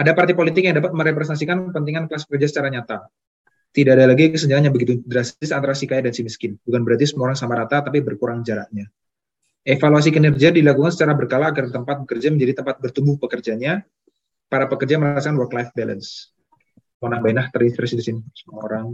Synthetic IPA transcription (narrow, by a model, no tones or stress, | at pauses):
adapart̪ipolit̪ɪkjaŋdapat̪̚məɾepɾɛsɛnasikanpənt̪iŋanklaspəkərd͡ʒasət͡ʃaɾahɲat̪a | t̪idadalaɡikəsəɲd͡ʒaaɲabəɡit̪udəɾasɪsant̪aɾasikajadansiməskɪnbukanbəɾat̪̬isəmaoɾaŋsamaɾat̪at̪apibərkuɾaŋd͡ʒaɾahɲa | efaluas̬ikənɛrd͡ʒiadilakuŋansət͡ʃaɾabərkalaːɡardit̪əmpat̪̚bəkərd͡ʒaməɲd͡ʒadit̪əmpat̪̚bərt̪umbʊhpəkərd͡ʒaɲa | paɾapəkərd͡ʒaməɾas̬akanwərklajfbɛlə̰ns | monaŋbajnaht̪ərinspɾɛsidisinsəmuao̰ɾaŋ